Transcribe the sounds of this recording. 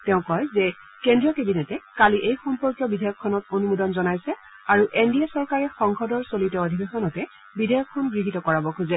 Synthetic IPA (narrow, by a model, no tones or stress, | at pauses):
tɛʊ̃kɔjzɛ | kendɹijɔkebinɛtɛkaliʔejxɔmpɔɹkjɔbidʱɔjɔkʰːɔnɔtonumudɔnzɔnajsɛ | aɹuʔendijasɔɹkaɹɛxɔŋxʰɔdɔɹsolitɔodʱibexɔnɔtɛ | bidʱejɔkʰːɔnɡɹiɦitɔkɔɹabɔkʰuzɛ